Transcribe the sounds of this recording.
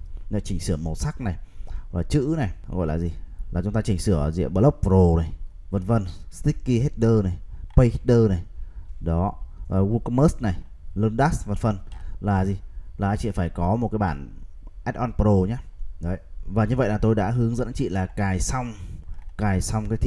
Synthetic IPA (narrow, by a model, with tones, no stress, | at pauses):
nə˧˦t͡ɕï˨˩ŋ̟sɨ˧˩əmmo˨˩t̚sa˦˥k̚na˨˩jvaː˨˩t͡ɕɨ̰˧˥na˨˩jɣɔ̰˧˨jlaː˨˩zi˨˩laː˨˩t͡ɕʊ˨˦ŋ͡mt̪aː˧t͡ɕï˨˩ŋ̟sɨ˧˩əzḭ˧˨əmɓəː˧˦lə˦˥wk͡p̚pɾo˨˩na˨˩j | və˧˩nvə˧nst̪i˦˥kːi˧ɦe˦˥t̚ɗəː˧na˨˩jpə˧jhi˦˥t̚ɗəː˧na˨˩jɗɔ˨˦ə˨˩ɣu˧kə˧məː˦˥sna˨˩j | lə˧nɗa˦˥svə˨˩nfə˨˩nlaː˨˩zi˨˩laː˨˩t͡ɕḭ˧˨faː˧˩jkɔ˨˦mo˨˩t̚kaː˨˦jɓaː˧˩n | ʔɛ˦˥t̚ʔɔ˧npɾo˧˩ɲaː˦ɗə˨˦jvaː˨˩ɲɨ˧və̰˧˨jlaː˨˩t̪o˧jɗa̰ː˧˥ɦɨ˨˦əŋzə̰˧˥nt͡ɕḭ˧˨laː˨˩kaː˨˩jsa˧wŋ͡mkaː˨˩jsa˧wŋ͡mkaː˨˦jt̪ʰi˧˨